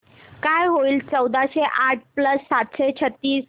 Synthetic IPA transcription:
kajɦoiːlt͡səwd̪ʱaɕeʔaʈ̚ʰpləsːat̪ɕet͡ɕʰət̪ːiːs

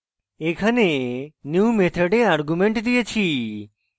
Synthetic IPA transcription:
ekʰanenjuːmet̪ʰəɖeaɾɡumẽɳʈd̪ijet͡ʃʰi

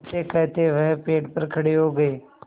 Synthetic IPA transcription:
t̪ekɛɦt̪eʋɛɦpeːʈpəɾkʰɐɽeɦoːɡəeː

